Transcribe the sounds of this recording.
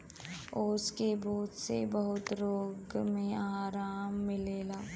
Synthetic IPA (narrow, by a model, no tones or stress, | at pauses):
oːskebuːt̪sebɐɦʊt̪ɾoːɡmẽaːɾaːmːɪleːlaː